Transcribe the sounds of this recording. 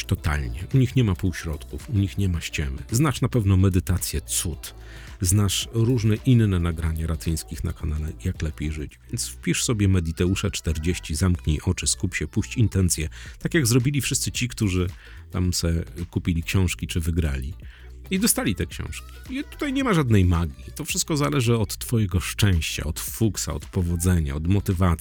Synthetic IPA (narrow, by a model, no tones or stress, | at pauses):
t̪ɔt̪a̰lɲɛ̰ʔuɲixɲɛmapuwɕɾɔt̪kufuɲixɲɛmaɕt͡ɕɛmɘ̰znaʂnapɛvnɔmɛd̪ɘt̪at̪sʲjɛt̪sut̪ | znaʂɾuʐnɛʔinːɛnaɡɾaɲaɾat̪ɘj̃skʲixna̰kɔnalɛjaklɛpʲjejʐɘt͡ɕvʲjɛnt̪sfpʲiʂsɔbʲjɛmɛd̪it̪ɛuʂɛt͡ʂt̪ɛɾd͡ʑeɕt͡ɕizamkɲejʔɔt͡ʂɘskupʲɕɛpuɕt͡ɕint̪ɛnt̪sʲjɛt̪akʲjaɡzɾɔbʲilʲifʂɘst̪sɘt͡ɕikt̪uʐɘ | t̪a̰msɛkupʲilʲikɕɔ̃w̃ʂkʲit͡ʂɘvɘɡɾa̰lʲi | id̪ɔst̪alʲit̪ɛkɕɔ̰̃w̃ʂkʲi̥it̪u̥t̪ajɲɛmaʐad̪nɛjmaɡʲit̪ɔfʂɘst̪̚kɔzalɛʐɘɔt̪ːfɔjɛɡɔʂt͡ʂɛ̃w̃ɕt͡ɕa̰ɔt̪fuksa̰ɔ̰t̪pɔvɔd̪zɛɲa̰ɔd̪mɔt̪ɘvat̪s